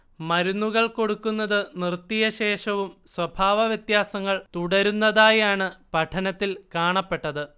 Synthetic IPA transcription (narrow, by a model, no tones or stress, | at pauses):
mɐɾunːuɣɐɭko̞ɽukːunːɐðɨnirt̪ːijɐɕeːʂɐʋumswɐbʱaːʋɐʋjɐt̪jaːsɐŋːɐɭt̪uɽɐɾunːɐðaːjaːɳɨpɐʈʰɐnɐt̪ːilkaːɳɐpːe̞ʈːɐðɨ